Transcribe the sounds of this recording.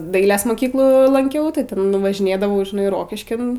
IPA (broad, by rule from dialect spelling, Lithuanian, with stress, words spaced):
ˈdɐɪlʲeːs moːˈkʲiːklˠuː lˠɐŋʲˈkʲɛʊ tɐɪ ˈtʲɛn ʋɐʒʲɪˈnʲeːdɐʋɐʊ ʒʲɪˈnɐɪ ˈroːkʲɪʃʲkʲɪn